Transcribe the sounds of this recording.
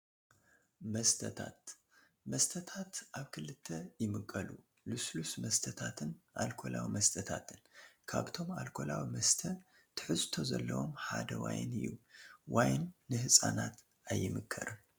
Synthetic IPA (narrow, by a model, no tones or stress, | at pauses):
mɐst̪ʰɐt̪ʰat̪ | mɐst̪ʰɐt̪ʰat̪ʔaβkʰɨlɨt̪ʰːɐjɪmɨkʼːɐlu | luslusmɐst̪ʰɐt̪ʰat̪ʰɨnʔalkʰo̞lawimɐst̪ʰɐt̪ʰat̪ʰɨnkʰaβt̪ʰo̞malkʰo̞lawimɐst̪ʰɐ | t̪ʰɨ̥ħɨzt̪ʰo̞zɐlːɐwomħad̪ɐwajnɨjːuwajnːɨhɨsʼanat̪ | ʔajːɪmɨkʰːɐ̰ɾɨn